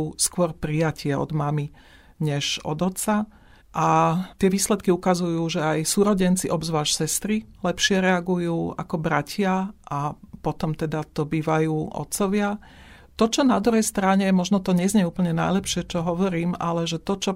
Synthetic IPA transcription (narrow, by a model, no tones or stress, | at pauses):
uːskʊɔɾpɾijacʰɪɛɔ̰d̪mami | ɲɛʒɔ̰d̪ɔt̪t͡sa | ʔat̪ɪɛʋiːslɛt̪̚kiukazujuːʒɛajsuːɾɔɟɛnt͡siʔɔbzʋaːʃsɛst̪ɾilɛpʃɪɛɾɛaɡujuːa̰kɔbɾacʰɪaʔapɔt̪ɔmt̪ɛd̪at̪ɔbiːʋajuːʔɔ̰t̪t͡sɔʋɪa | t̪ɔt͡ʃɔnad̪ɾuɦɛjst̪ɾaɲɛmɔʒnɔt̪ɔɲɛzɲɛuːpl̩ɲɛna̰jlɛpʃɪɛt͡ʃɔɦɔʋɔɾiːma̰lɛʒɛt̪ɔt͡ʃɔ